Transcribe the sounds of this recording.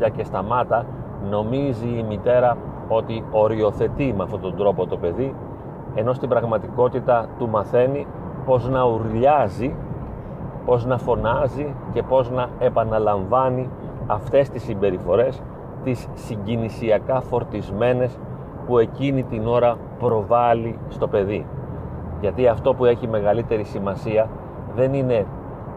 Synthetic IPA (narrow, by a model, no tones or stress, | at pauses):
ɐce̞st̪ɐmɐt̪ɐ | no̞miziːmit̪e̞ɾɐ | o̞t̪io̞ɾio̞θe̞t̪imeɐft̪o̞t̪o̞nd̪ɾo̞po̞t̪o̞pe̞ði | e̞no̞st̪ibɾɐɣmɐt̪iko̞t̪it̪ɐt̪umɐθe̞ni | po̞znɐuɾʎɐzi | po̞znɐfo̞nɐzice̞po̞znɐe̞pɐnɐlɐɱvɐni | ɐft̪e̞st̪isimbe̞ɾifo̞ɾe̞s | t̪isːiɲɟinisiɐkɐfo̞ɾt̪izme̞ne̞s | pue̞cinit̪ino̞ɾɐ | pɾo̞vɐlist̪o̞pe̞ði | ʝɐt̪iɐft̪o̞pue̞çime̞ɣɐlit̪e̞ɾisimɐsiɐ | ðe̞nine̞